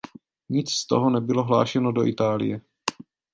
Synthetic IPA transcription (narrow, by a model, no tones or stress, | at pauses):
ɲɪt͡sst̪oɦonɛbɪlo̞ɦla̰ːʃɛnodoʔɪt̪aːlɪ̰jɛ